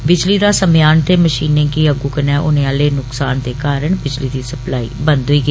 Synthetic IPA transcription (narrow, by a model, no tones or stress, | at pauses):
bɪd͡ʒliːdɾaːsəmɪjaːnt̪eːməʃiːnẽːkiːəɡuːkənɛːʔʊnẽːaːleːnʊksaːnd̪eːkaːɾəɳbɪd͡ʒliːd̪iːsəplaːḭːbənd̪ɦʊiːɡe